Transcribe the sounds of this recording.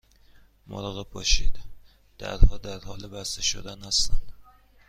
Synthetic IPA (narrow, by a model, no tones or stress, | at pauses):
mɒ̰ɾɒɣepʰɒʃed̪ | d̪̥æ̰ɾhɒd̪æɾhɒlɪbæst̪æʃo̰d̪ænhæst̪æn